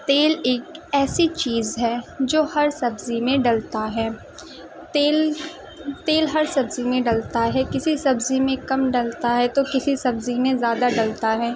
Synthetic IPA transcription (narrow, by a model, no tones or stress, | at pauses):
t̪eːleːkɛːsit͡ʃiːzɦɛːd͡ʒoːhɐɾsɐbzimẽɖɐlt̪aɦɛː | t̪eːl | t̪eːlɦɐɾsɐbzimẽɖɐlt̪aɦɛːkɪsisɐbzimẽkɐmɖɐlt̪aɦɛt̪okɪsisɐbzimẽzjaːd̪aɖɐlt̪aɦɛː